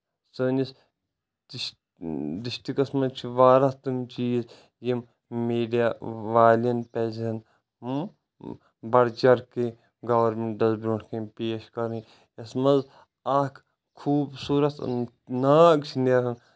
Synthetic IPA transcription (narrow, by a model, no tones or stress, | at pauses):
səːnis | d̪iʃt̪ikɐsmɐnt͡ʃʰiʋaːɾɐt̪ɨmt͡ʃiːz | jim | meːɖijaʋaːlɐnpɛːzɐn | bɐɽt͡ʃɐɾke | ɡɐʋɐɾmeɳɖɐzbɾuʈʰkʰẽpeːʃkɐɾi | ɐsmɐz | aːkʰ | kʰuːbsuːɾɐt̪ | naːɡt͡ʃʰineɦn